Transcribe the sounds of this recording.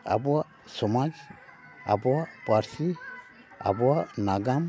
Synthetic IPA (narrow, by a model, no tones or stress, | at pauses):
a̰bɔa | sɔmad͡ʒ | a̰bɔapaɾsi | a̰bɔanaɡam